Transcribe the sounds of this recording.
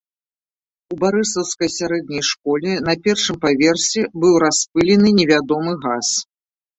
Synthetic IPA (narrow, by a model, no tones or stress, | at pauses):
ubaɾɨsˠɐwskɐjsʲaɾɛd̪̚nʲɐjʂkɔlʲɛnɐpʲɛrʂɨmpavʲɛrsʲɛbɨwɾaspɨlʲɛnɨnʲɛvʲad̪ɔmɨɣas